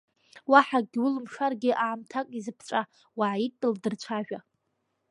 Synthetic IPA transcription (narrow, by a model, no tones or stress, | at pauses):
waħaɡʲwʊlɨmʃarɡʲɪʔaːmtʰakʼizɨpʰt͡ʃʷʼa | waʕaitʼdʼɨldɨrt͡ɕʷʰaʒᶣa